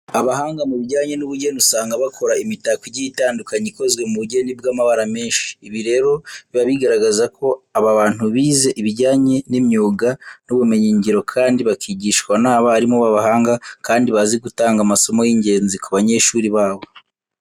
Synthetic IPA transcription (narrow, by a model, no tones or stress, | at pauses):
aβaɦaːŋɡamuβiɟaːɲe̞nuβuɟenusaːŋɡaβakʰo̞ɾaimitakiɟiitaːndukaɲiko̞zɡwe̞muβuɟe̞nibɡaːmaβaɾame̞ːnʃi̥ːβiɾe̞ɾo̞βiβaβiɡaɾaɡazakʰo̞aβaβaːn̥huβiːze̞ʔiβiɟaːɲe̞nimɲuːɡanuβume̞ɲiːɲɟiɾo̞kʰaːndiβakiːɟiːʃkwanaːβaaɾimoβaβaɦaːŋɡakaːndiβaziɡutaːŋɡamaso̞mo̞jiɲɟe̞ːnzikuβaɲe̞ʃuːɾiβaːβo̞